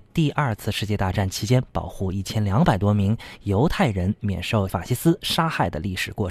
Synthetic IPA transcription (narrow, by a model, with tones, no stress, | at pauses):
t̪i˥˧ʔɐ˞˥˧t͡sʰɹ̩˥˧ʂɻ̩˥˧t͡ɕjɛ˥˧t̪a˥˧ʈ͡ʂa˥˩nt͡ɕʰi˧˥t͡ɕjɛ˥npɑ˨˩ʊxu˥˧i˥˩t͡ɕʰjɛ˥nljɑ˧˥ŋpa˨˩ɪt̪wɔ˥mi˧˥ŋjo˧˥ʊt̪ʰa˥˩ɪɻə˧˥nmjɛ̰˨˩nʂo˥˩ʊfa̰˨˩t͡ɕɕi˧˥sɹ̩˥ʂa˥xa˥˩ɪd̪ə˩li˥˩ʂɻ̩˨˩kwɔ˥˩ʈ͡ʂʰ